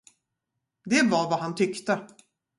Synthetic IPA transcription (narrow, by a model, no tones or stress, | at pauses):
d̪ɛvaɾvaɦant̪ʰʏkt̪ə